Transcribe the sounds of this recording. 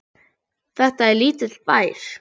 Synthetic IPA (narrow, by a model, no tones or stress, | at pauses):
θɛht̪aɛɾliːt̪ɪt̪lpaːjɾ̥